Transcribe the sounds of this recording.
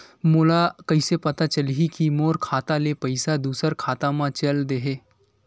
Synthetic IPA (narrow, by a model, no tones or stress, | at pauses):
moːlakɐisepɐt̪at͡ʃɐlɦikimoːɾkʰaːt̪alepɐɪsad̪uːsəɾkʰaːt̪ãmãt͡ʃɐld̪eɦeː